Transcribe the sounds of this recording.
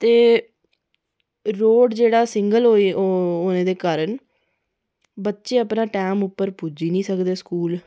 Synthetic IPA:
t̪eː | ɾoːɖd͡ʒeːɽaːsɪŋɡəlɦoːiooːnẽːd̪eːkaːɾəɳ | bətːʃeːəpnãːʈɛːmʊpːəɾpuːd͡ʒiːnĩːsəkd̪eːskuːl

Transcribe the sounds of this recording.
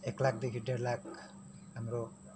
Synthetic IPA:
eklak̚d̪ekiʈːeɖlak | amɾo

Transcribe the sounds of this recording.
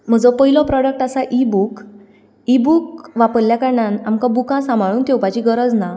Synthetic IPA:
m̤əd͡zɔpəɦilɔ̃pɾɔɽək̚ʈasaʔibuk | ibukʋapəɾljakaɾɳanamkãbukãsãmbʱaɭuːnt̪ʰewpat͡ɕiɡəɾəd͡zna

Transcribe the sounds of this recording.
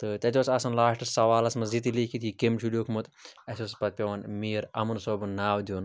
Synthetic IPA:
t̪ɨt̪ʲɐt̪ʲosɐsɐnlaːʂʈɨsɐʋaːlɐsmɐzit̪ilikʰit̪ikemʃʰuljoːkʰmut̪ɐsʲospɐt̪̚pʲɐʋɐnmiːɾɐmɨnsoːbɨnnːaːwd̪ʲjoːn

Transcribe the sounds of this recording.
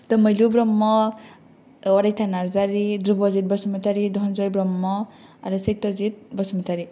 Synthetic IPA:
t̪ɔmʌjlubɾɔmːɔ | ɔɽajt̪ʰanaɾzaɾid̪ɾubɔzit̪̚bɔsmɔt̪aɾid̪ʱɔnzɔjbɾɔmːɔaɾɯsejt̪ːɔzit̪̚bɔsmɔt̪aɾi

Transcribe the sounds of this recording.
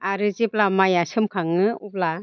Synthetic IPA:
aɾɯziplamajasɯmkʰaŋɯup̚la

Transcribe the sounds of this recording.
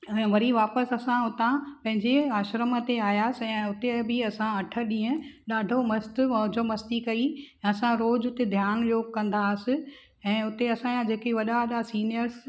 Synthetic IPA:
ɛ̃ːʋɐɾiʋaːpəsɐsãʊt̪ãpɐ̃ɦɪ̃ɲd͡ʑeaːʃɾəmət̪eaːjaːsɪɛ̃ːʊt̪ebʱɪɐsãɐʈʰəɗĩːə̃ɗaːɖʱomɐst̪ɐːd͡ʑomɐst̪ikɐĩɐsãɾoːd͡ʑʊt̪ed̪ʱjaːnjoːɡ̚kɐ̃nd̪aːsɪ̆ | ɛ̃ːʊt̪eɐsãjãd͡ʑeːkeʋɐɗaʋɐɗasiːnijəɾs

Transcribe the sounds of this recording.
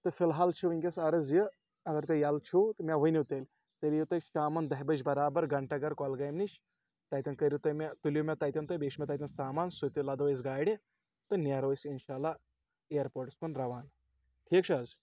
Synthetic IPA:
t̪ɨfilɦaːlt͡ʃʰuʋɨŋʲkʲɐsɐɾɐzjɨ | ɐɡɐɾt̪ejɐlt͡ʃʰut̪ɨmʲaʋɐnʲit̪elʲ | t̪əlʲjut̪ɐʃaːmɐnd̪ɐɦʲibɐd͡ʒbɐɾaːbɐɾɡɐɳʈɐɡɐɾkɔlɡɐjmniʃ | t̪ɐːjt̪ʲɐnkɐɾjut̪ɐmʲat̪ulʲjumʲet̪ɐːjt̪ʲɐnt̪ɐbeːkʃmʲɐt̪ɐːt̪ʲɐnsaːmaːnsut̪ʲilɐd̪oːez̬ɡaːɽʲe | t̪ɨnʲaɾoːsinʃaːla | eːɐɾpoːɾʈspɐnɾɐʋaːn | ʈʰiːkt͡ʃʰɐz

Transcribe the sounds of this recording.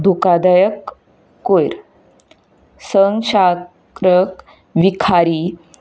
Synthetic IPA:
d̪ʱukad̪ajəkː | ojɾ | səŋɡɕa | kɾək | ʋikʰaɾi

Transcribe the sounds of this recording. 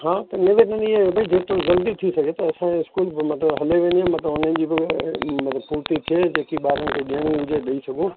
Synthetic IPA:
ɦãːt̪ɐnɪʋeʈə̃niebɐid͡ʑeːt̪ɾozɐld̪it̪ʰisɐɡʱet̪ɐɐsãeɪskuːlbmɐt̪ləbɦɐleʋẽːnd̪iãmɐt̪ləbʊnə̃nd͡ʑiːbɪmɐt̪ləbpuːɾt̪it̪ʰied͡ʑeːkiɓaːɾənɪ̆kʰeɠiəɽ̃ĩʊd͡ʑeɗɐisɐɡʱũ

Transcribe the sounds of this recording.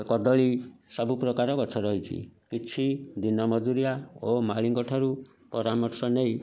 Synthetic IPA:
kɔd̪ɔɭisɔbupɾɔkaɾɔkɔt͡ʃʰɔɾɔɦit͡ʃʰḭkit͡ʃʰid̪inɔmɔd͡ʒuɾijaomaɭiŋkɔʈʰaɾu | pɔɾamɔɾsɔnej̃

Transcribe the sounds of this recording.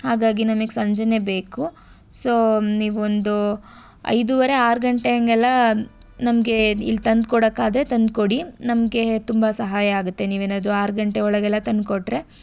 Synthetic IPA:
haːɡaːɡinɐmɐɡesɐɲd͡ʒɐne̞be̞ːku | so̞ːniːʋuond̪u | ɐ̰jd̪uʋɐɾe̞aːɾɡɐɳʈeɐŋɡɛlːɐ | nɐmɐɡe̞ḭlːt̪ɐnd̪̚kɔɽɐkːaːd̪ɾe̞t̪ɐnd̪̚koɽinɐmɐɡe̞t̪umbɐsɐɦaːjɐaːɡut̪ːe̞niːʋeːnaːd̪ɾuaːɾɡɐɳʈe̞ɔɭɐɡɛlːɐt̪ɐnd̪koʈːɾe̞

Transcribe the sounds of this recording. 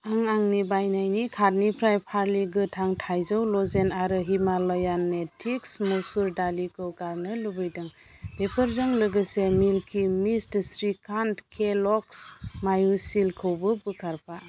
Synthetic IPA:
aŋaŋnibajnajnikʰaɾnipʰɾajpʰaɾliɡɯtʰaŋtʰajzɯwlɔzenaɾɯɦimalɔjanːetʰiksmusuɾdalikʰɯwɡaɾnɯlubɯjdɯŋ | pepʰɯɾzɔŋlɯɡɯsemilkʰimistsɾikʰantkʰelɔksmajusilkʰɯwbɯbɯkʰaɾpʰa

